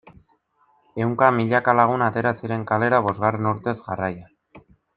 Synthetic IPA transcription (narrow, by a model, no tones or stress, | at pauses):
e̞wŋkamiʎakalaɣ̞unat̪e̞ɾasiɾe̞ŋkale̞ɾaβ̞o̞zɣare̞nuɾt̪e̞zɣaraja